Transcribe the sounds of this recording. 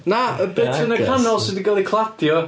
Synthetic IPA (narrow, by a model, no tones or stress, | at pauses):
naəbɛtʰənəkʰanɔlˠsɪdiɡalˠikʰlˠadjɔ